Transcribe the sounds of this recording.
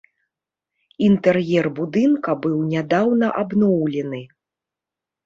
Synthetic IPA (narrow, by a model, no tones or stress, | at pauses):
int̪ɛrjɛrbud̪ɨnkɐbɨwnʲad̪awnɐʔabnɔwlʲɛnɨ